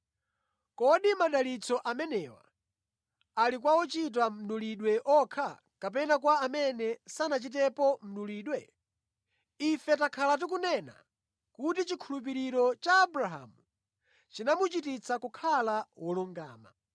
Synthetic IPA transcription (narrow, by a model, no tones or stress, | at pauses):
kɔɗimaɗalit͡sʰɔʔamɛnɛwa̰ | alik̬wawɔt͡ʃit̬am̩nuliɗwɛʔɔkʰa | kap̬ɛnakwaːmɛnɛsanat͡ʃit̬ɛpɔm̩nuliːɗwɛ | ifɛtakʰalat̬ik̬unɛna̰ | kutit͡ʃikʰulup̬iɾiɾɔt͡ʃaːbuɾaɦa̰ːmu | t͡ʃinamut͡ʃitit͡sʰakukʰalawɔluŋɡa̰ːma̰